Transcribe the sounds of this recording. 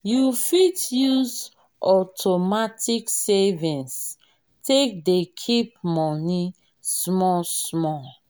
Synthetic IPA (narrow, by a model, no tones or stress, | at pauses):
jufitjuz | ɔtʰomatʰiksevĩns | tek̚dekʰip̚mɔni | smɔsmɔ